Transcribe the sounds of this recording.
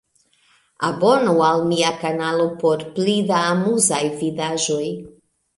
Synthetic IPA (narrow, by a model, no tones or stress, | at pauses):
abo̞nualmiakanalo̞po̞ɾplidaːmuzajvidaʒo̞j